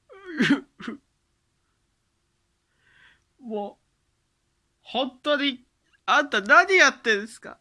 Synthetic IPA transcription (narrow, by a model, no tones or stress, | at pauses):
moː | hõ̞nt̪ːoɲ̟i | at̪ːanaɲijat̪ːẽ̞nsɨ̥ka̰